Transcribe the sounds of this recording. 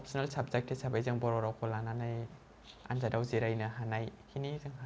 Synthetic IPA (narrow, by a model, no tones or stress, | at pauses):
ɔp̚sʰinalsap̚zek̚tʰisabajzɯŋbɔɾɔɾawkʰɔlananaj | a̰nzadawziɾajnaɦanajkʰinizɯŋɦa